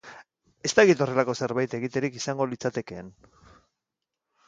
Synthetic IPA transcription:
e̞st̪akit̪o̞re̞lako̞se̞ɾβajt̪e̞ɣit̪e̞ɾikisaŋɡo̞lit͡sat̪e̞ke̞ːn

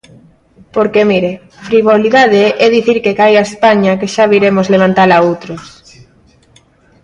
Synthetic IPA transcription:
poɾkemiɾe | fɾiβoliðaðeʔɛðiθiɾkekajaespaɲakeʃaβiɾemozleβ̞ant̪alaowt̪ɾos

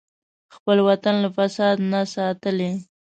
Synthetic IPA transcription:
xpəlwat̪anlafasɑd̪nasɑt̪əle

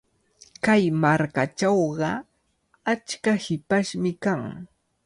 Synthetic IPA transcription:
kajmaɾkaʈ͡ʂawɢɑ | at͡ʃkahɪpaʃmɪkaŋ

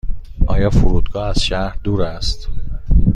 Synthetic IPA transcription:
ʔɒːjɒːfuɾuːd̪ɡɒːæz̥ʃæɾd̪uːɾæst̪

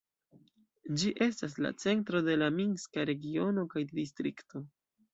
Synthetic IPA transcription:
d͡ʒiʔe̞stas̬la̰t͡se̞ntɾo̞de̞laminskaɾe̞ɡio̞no̞kajdistɾikto̞

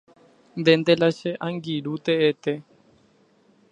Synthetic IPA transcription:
nd̪end̪elaʃeʔaŋɡiɾut̪eet̪e

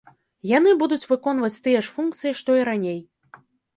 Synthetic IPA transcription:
jan̪ɨbud̪ut͡sʲvɨkɔnvɐt͡sʲt̪ɨjɛʂfunkt̪sɨjiʂt̪ɔiɾanʲej

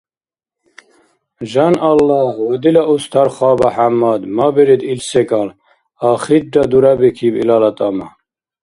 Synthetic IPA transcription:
ʒanalːahwɔd̪ilaʔust̪ʰaɾχɑːbaħamːad̪mabɛɾid̪ilsɛkʼal | aχid̪̚ɖad̪uɾabɛkʰibḭlalat̪ʼama

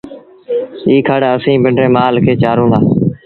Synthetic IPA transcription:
iːkʰaːɽaːəsĩːbəɳɖɾẽːmaːlkʰeːt͡ʃaːɾũːnd̪aː

